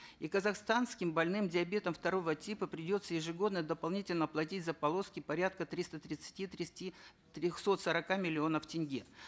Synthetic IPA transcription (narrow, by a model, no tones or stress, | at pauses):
ikəzɐxst̪anskʲɪmbɐlʲnɨmdʲɪɐbʲe̞t̪əmft̪ɐɾo̞vətʲipəpɾʲɪdʲo̞t̪səjɪʐɨɡo̞d̪nəd̪əpɐlˠnʲitʲɪlʲnəplˠɐtʲitʲzəpɐlˠo̞skʲɪpɐɾʲat̪̚kət̪ɾʲist̪ət̪ɾʲɪt̪sɨ̥tʲit̪ʲi | t̪ɾʲoxso̞t̪səɾɐkamʲɪlʲɪo̞nəftʲɪnʲɡʲi